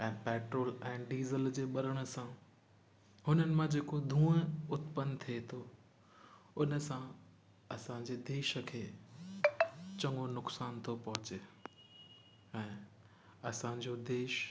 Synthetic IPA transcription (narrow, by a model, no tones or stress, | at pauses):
ɛ̃ːpɛːʈɾoːlɛ̃ːɖiːzəld͡ʑeːɓɐɾəɽ̃ə̆sã | hʊnənɪ̆mãd͡ʑeːkod̪ʱũːəʊt̪pənt̪ʰiet̪ʰo | ʊnə̆sã | ɐsãɲd͡ʑeːd̪eːʃəkʰeː | t͡ɕɐ̃ŋɡonʊksaːnt̪ʰopɐɦʊt͡ɕeː | ɛ̃ː | ɐsãɲd͡ʑod̪eːʃ